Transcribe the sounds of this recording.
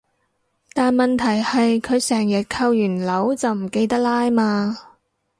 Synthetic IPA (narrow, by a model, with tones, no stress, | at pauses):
t̪aː˨˧nmɐ˨nt̪ʰɐ˨˩jhɐ˨jkʰɵ˨˧ɥsɛː˨˩ŋjɐ˨˩t̚kʰɐ˧wjyː˨˩nlɐ˨˥wt͡sɐ˨wm̩˨˩ke˧jt̪ɐ˥k̚laː˥jmaː˧